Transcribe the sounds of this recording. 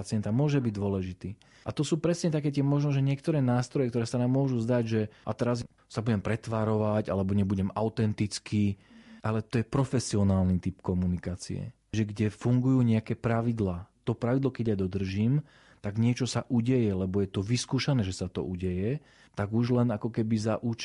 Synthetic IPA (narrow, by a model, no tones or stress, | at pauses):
at͡sɪɛnt̪amʊɔʒɛbiɟd̪ʊɔlɛʒit̪iː | ʔat̪ɔsuːpɾɛsɲɛt̪akɛːt̪̬ɪɛmɔʒnɔʒɛɲɪɛkt̪ɔɾɛːnaːst̪ɾɔjɛkt̪ɔɾɛːsanaːmːʊɔʒuzd̪aɟʒɛat̪ɛɾaz | sabuɟɛmpɾɛt̪ʋaːɾɔʋaɟalɛbɔɲɛbuɟɛmaʊt̪ɛnt̪it͡skʰiʔalɛt̪ɔjɛpɾɔfɛsiɔnaːlnit̪ipkɔmunikaːt͡sḭɛ̰ | ʒɛɡɟɛfuŋɡujuːɲɛakɛːpɾaʋid̪laːt̪ɔpɾaʋid̪lɔkɛɟjad̪ɔd̪r̩ʒiːm | t̪aɡɲɪɛt͡ʃɔsaʔuɟɛjɛlɛbɔjɛt̪ɔʋiskuːʃanɛːʒɛsat̪ɔ̰uɟɛjɛ | t̪aɡuʒlɛnakɔkɛbizaʔut͡ʃ